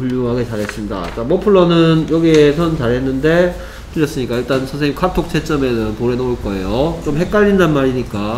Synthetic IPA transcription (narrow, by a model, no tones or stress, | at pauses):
puʎːuŋɦaɡet͡ɕaɾɦe̞s͈ɯmɲida̰t͡ɕamopʰɯɭːʌnɯnjʌɡiesʰʌnt͡ɕaɾɦe̞nːɯnde̞ | tɯɾjʌs͈ɯɲik͈aiɭt͈ansʰʌnsʰeɲimkʰatʰok̚t͡ɕʰet͡ɕ͈ʌmenɯnpoɾenoɭk͈ʌe̞̰jot͡ɕomɦe̞k͈aʎːindanmaɾiɲik͈a